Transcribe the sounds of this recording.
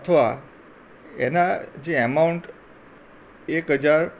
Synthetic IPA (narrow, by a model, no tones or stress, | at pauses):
ət̪ʰəʋa | ḛnad͡ʒeəmauɳʈ | ekɦəd͡ʒaɾ